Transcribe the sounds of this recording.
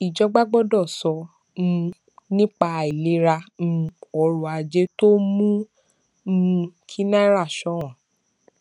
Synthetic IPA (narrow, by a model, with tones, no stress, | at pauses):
i˨d͡ʒɔ˧˦ɡ͡ba˦ɡ͡bɔ˦dɔ˦˨sɔ˧ | ñ̩˧ | nĩ˦k͡pa˧˨i˨le˨˦ɾã˧ | ɔ˧ɾũ˧˨a˧d͡ʒe˦to˦mũ˦˧ | kʰi˦nã˦ɾa˦˨ʃɔ˨˦ɔ̃˨